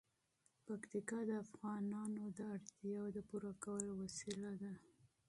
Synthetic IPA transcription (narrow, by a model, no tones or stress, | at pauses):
pakt̪ikɑd̪əafɣɑnɑnod̪əaɽt̪jɑwd̪əpuɾakawəlowasilad̪a